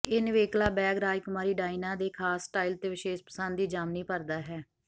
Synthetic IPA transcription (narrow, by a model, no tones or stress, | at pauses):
ɪnʋeːklaːbɛːɡɾaːjkʊmaːɾiːɖaːinãːd̪eːkʰaːsʈaːilt̪eːʋɪʃeːʃpə̥sənd̪iːd͡ʒaːmniːpəɾd̪aːɦɛː